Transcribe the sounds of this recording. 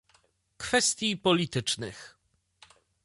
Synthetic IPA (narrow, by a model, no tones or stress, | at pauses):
kfɛst̪ʲjipɔlʲit̪ɘt͡ʂnɘ̰x